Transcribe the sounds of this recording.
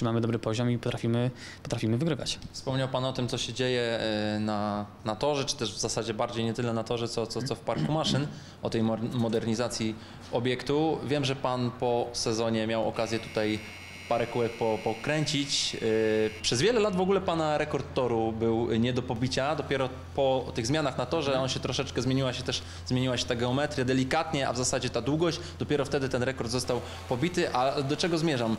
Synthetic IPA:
t͡ʂɘmamɘd̪ɔbɾɘpɔʑɔmipɔt̪ɾafʲimɘ | pɔt̪ɾafʲimɘvɘɡɾɘva̰t͡ɕfspɔmɲawpanɔt̪ɘmt̪sɔɕɛd͡ʑejɛnanat̪ɔʐɛt͡ʂɘ̥t̪ɛʐvzasad͡ʑɛbaɾd͡ʑejɲɛt̪ɘlɛnat̪ɔʐɛt̪sɔt̪sɔt̪sɔfpaɾkumaʂɘn | ɔt̪ɛjmmɔd̪ɛɾɲizat̪sʲji | ɔbʲjɛkt̪uvʲjɛmʐɛpanpɔsɛzɔɲɛmʲjawɔ̰kazʲjɛt̪u̥t̪aj | paɾɛkuwɛk̚pɔpɔkɾɛɲt͡ɕit͡ɕ | pʂɛzvʲjɛlɛlad̪vɔɡulɛpanaɾɛkɔɾt̪ːɔɾubɘwɲɛd̪ɔpɔbʲit͡ɕad̪ɔpʲjɛɾɔ | pɔt̪ɘɣzmʲanaxnat̪ɔʐɛɔnɕɛt̪ɾɔʂɛt͡ʂkɛzmjeɲiwaɕɛt̪ɛʂ | zmʲjeɲiwaɕɛ̥t̪aɡɛɔmɛt̪ɾʲjad̪ɛlʲikat̪ɲɛʔa̰vzasad͡ʑɛt̪ad̪wuɡɔɕ | d̪ɔpʲɛɾɔft̪ɛd̪ɘt̪ɛnɾɛkɔɾd̪zɔst̪aw | pɔbʲit̪ɘʔad̪ɔt͡ʂɛɡɔzmʲjɛʐam

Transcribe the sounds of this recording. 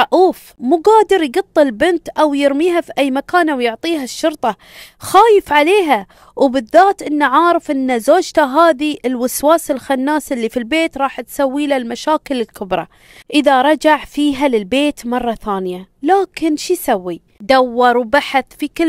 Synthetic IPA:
ɑʔuːf | muːɡaːd̪ɪɾjɡɑt̪ˤːɨlbɪnt̪ʔawjɪɾmiːɦafiʔajːmakaːnʔawjʊʕt̪ˤiːɦaʃːʊɾt̪ˤɑ | xaːjɪfʕaleːɦa | wbɪðːaːt̪ʔɪnːaʕɑːɾˤɪfʔɪnːazoːd͡ʒt̪aɦaːðiʔɪlwɪswaːsɪlxanːaːsɪlːifilbeːt̪ɾˤɑːħt̪sawːiːlalmaʃaːkɪlɪlkʰʊbɾˤɑ̰ | ʔɪðaɾˤɑd͡ʒaʕfiːɦalɪlbeːt̪mɑrˤːɑθaːnɪjalaːkɪnʃisawːi | d̪awːɑɾˤwbaħaθfikɪ

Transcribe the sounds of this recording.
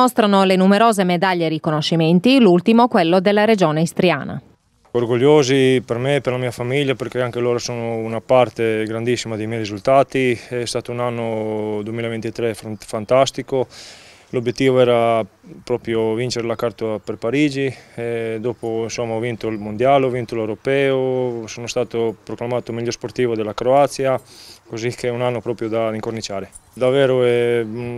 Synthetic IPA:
most̪ɾanolenumeɾoːzemed̪aʎːeɾikonoʃːiment̪ilult̪imokwelːod̪elːaɾed͡ʒoːneist̪ɾja̰ːna̰ | orɡoʎːoːzipeɾmepeɾlamiːafamiʎjapeɾk̟eaŋk̟eloːɾasoːnounapart̪eɡɾand̪isːimad̪ejmɛjɾizult̪aːt̪iɛst̪aːt̪ounanːod̪uemiːlavent̪it̪ɾefant̪ast̪iko | lobjet̪ːiːvoɛːɾapɾɔːpɾjovint͡ʃeɾelakaɾt̪oapeɾpaɾiːd͡ʒiɛd̪opoinsomːaɔvint̪oilmond̪jaːlovint̪olewɾopɛːosoːnost̪aːt̪opɾoklamaːt̪omiʎːoɾspoɾt̪iːvod̪elakɾoat̪sjakozikʰeunanːopɾɔːpɾjod̪aiŋkornit͡ʃaːɾed̪avɛːɾoɛ

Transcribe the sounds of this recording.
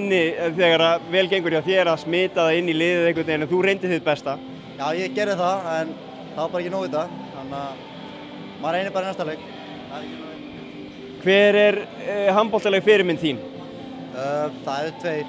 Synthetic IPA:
nːɪθɛkaɾavɛːlc̬ejŋkʏɾjaθjɛːɾasmɪːt̪aðaɪnːilɪːðɪðɛhk̬vʏt̪eːjnɪaθurejnt̪ɪsθɪpɛst̪a | jaːwjɛcɛːɾɪθaðɛn | θavapaɾɛcɪnoːwðɪt̪a | hanːa | maːɾejnɪpaːɾanɛst̪alejk | a | kʰvɛːɾɛɾ | ɦampɔl̥t̪alɛɣfɪɾɪɾmɪnθiːn | øːθaðɛɾt̪ʰveːj

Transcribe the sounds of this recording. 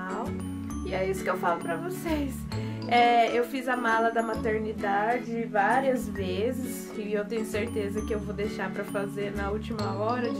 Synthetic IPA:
aw | ɪɛisʊ̥kɪewfalʊpɾɐvosejs | ɛewfizɐmalɐd̪ɐmat̪eɾnid̪ad͡ʒɪvaɾiɐzvezɪs | ɪewt̪ẽɲʊseɾt̪ezɐkɪewvod̪ejʃapɾɐfazeɾnɐut͡ʃimɐɔɾɐ

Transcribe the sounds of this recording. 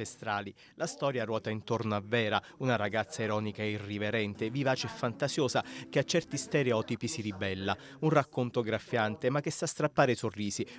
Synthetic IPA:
est̪ɾaːli | last̪ɔːɾjarwɔːt̪aint̪ornoavːɛːɾa | unaɾaɡat̪sːaiɾɔːnikaɛiriveɾɛnt̪evivaːt͡ʃeɛfːant̪azjoːsak̟eat͡ʃːɛrt̪ist̪ɛɾeɔt̪ipisiɾibɛlːa | unrakːont̪oɡɾafːjant̪emak̟ːesːast̪ɾapːaːɾesorːiːsi

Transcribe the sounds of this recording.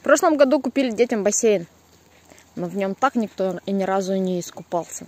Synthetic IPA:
fpɾo̞ʂlˠəmɡɐd̪ukʊpʲilʲɪdʲetʲəmbɐsʲejɪn | novnʲo̞mt̪aknʲɪkt̪oinʲɪɾazʊnʲɪːskʊpalˠsʲə

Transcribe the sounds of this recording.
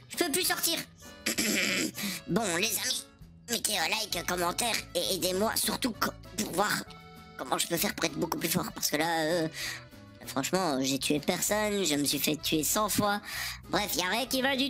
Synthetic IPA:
ʒ̥əpøplysɔʁt̪iːʁ | bɔ̃lezami | mek̪eɔlajkkɔmɑ̃t̪ɛʁeed̪emwa̰syʁt̪ukpuʁvwaʁ | kɔmɑ̰̃ʒəpøfɛʁpuʁɛt̪χbokuplyfɔʁpaʁsə̥kəlaø | fχɑ̃ʃmɑ̃ʒet̪ʰyepɛʁsɔnʒəməsɥifɛt̪ʰyesɑ̃fwabʁɛfjaʁɛ̃kʲivald̪y

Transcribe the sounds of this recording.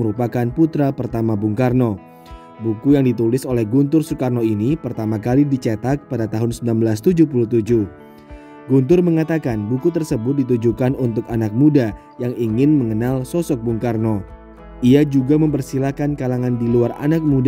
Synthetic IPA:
əɾupakanput̪ɾapərt̪amabuŋkarno | bukujaŋdit̪ulɪsolɛhɡunt̪ʊrsukarnoinipərt̪amakalidit͡ʃɛt̪ak̚padat̪aɦʊnsəminambəlast̪ud͡ʒupuluht̪ud͡ʒuh | ɡunt̪ʊrməŋat̪akanbukut̪ərsəbʊt̪̚dit̪̬ud͡ʒukanunt̪ʊkanak̚muda | jaŋiŋɪnməŋənalsɔsɔk̚buŋkarno | iad͡ʒuɡaməmpərsilakankalaŋandiluara̰nak̚mud

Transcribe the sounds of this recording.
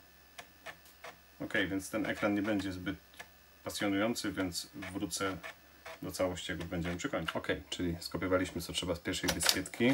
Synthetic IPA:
ɔkɛjvʲjɛnt̪st̪ɛnʔɛ̰kɾanɲɛbɛɲd͡ʑɛzbɘt̪̚ | pasʲjɔnujɔnt̪sɘvʲjɛnt̪svɾut̪sɛ | d̪ɔt̪sawɔɕt͡ɕjaɡubɛɲd͡ʑɛmɘpʂɨkɔɲit͡ɕɔkɛjt͡ʂɘlʲiskɔpʲɛvalʲiɕmɘt̪ɔtʂɛbaspʲjɛɾʂɛjvɘspʲjɛt̪kʲi

